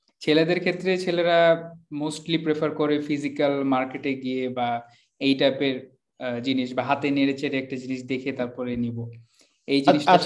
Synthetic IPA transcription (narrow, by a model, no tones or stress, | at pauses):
t͡ɕʰeled̪eɾkʰet̪ːɾet͡ɕʰeleɾamosʈlipɾepʰaɾkoɾefizikalmaɾkeʈeɡijeba | ejʈapeɾ | d͡ʑiniʃbaɦat̪eneɾet͡ɕʰeɾeɛk̚ʈad͡ʑiniʃd̪ekʰet̪aɾpɔɾenibo | ejd͡ʑiniʃ